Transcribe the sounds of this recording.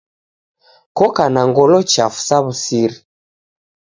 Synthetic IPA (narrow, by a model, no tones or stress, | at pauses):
kɔkanaŋɡɔlɔt͡ʃafu̥saβusiɾi